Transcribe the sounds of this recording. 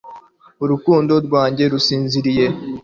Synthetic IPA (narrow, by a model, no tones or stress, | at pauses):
uɾukuːndo̞ɾɡwaːɲɟe̞ɾusiːnziɾije̞